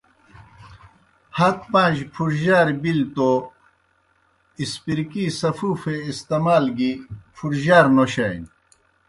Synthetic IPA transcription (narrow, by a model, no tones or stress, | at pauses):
hɐt̪̚pãːʑpʰuɾʑaːɾbilt̪o | ispiɾkisɐfufeist̪ɐmaːlɡipʰuɾʑaːɾnoɕɐjn